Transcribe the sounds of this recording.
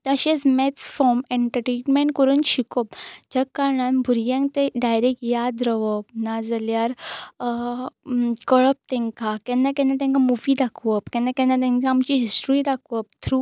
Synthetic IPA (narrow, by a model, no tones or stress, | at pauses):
t̪aɕesmɛtt͡sfɔmẽɳʈəɾʈenmeɳʈkɔɾuːnɕikɔpd͡ʑəkːaɾɳanbʱuɾjãŋt̪eɖajɾɛkjad̪ɾəʋɔpnad͡zəljaɾ | kɔɭɔp̚t̪ɛ̃ŋkakɛ̃nːãkɛ̃nat̪̬ɛ̃ŋkamuʋid̪akʰʋɔpkɛ̃nːãkɛ̃nːãt̪ɛ̃ŋkaːmt͡ɕiɦisʈɾid̪akʰʋɔp̚t̪ʰɾu